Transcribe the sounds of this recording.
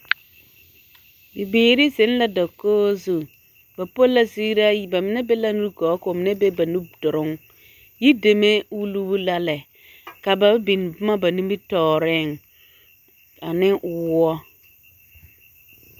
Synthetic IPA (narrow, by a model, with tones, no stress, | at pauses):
bi˨beː˨ɾi˦sɪ˨˦n˦la˦da˨koː˦zu˨ | ba˨po˦la˦si˦ɾa˦ji˨ba˨mɪ˨nɛ˦be˦la˦nu˦kɔ˨˦kʊ˨mɪ˨ne˦be˦ba˨nu˦bdʊ˨ɾʊ˦ŋ | ji˦de˨me˦u˦lu˦bu˦la˦lɛ˨ | ka˨ba˨˦bi˨n˨bʊ˦ma˦ba˨ni˦m˦bi˦tɔː˨ɾɪ˦˨ŋ | a˨nɪ˦ʔʊ˨wɔ˦